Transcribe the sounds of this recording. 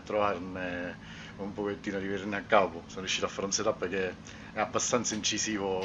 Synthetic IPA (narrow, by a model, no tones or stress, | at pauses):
t̪ːɾovarne | umpoket̪ːiːnoad̪iveɾneakːaposonoɾjuʃːit̪oafːaɾunset̪apːerkːe | ɛabːast̪ant̪saint͡ʃisiːvo